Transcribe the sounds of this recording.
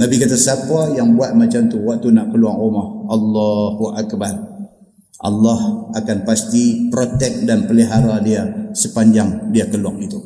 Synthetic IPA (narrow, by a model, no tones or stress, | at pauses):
nabikat̪asapajaŋbuat̪̚mat͡ʃamt̪uwak̚t̪unaʔkəluaŋomɔhalːɑhuʔakbar | ʔa̰lːɔhakanpast̪ipɾot̪ɛk̚danpəliɦaɾadiasəpaɲd͡ʒaŋdiakəluaŋit̪u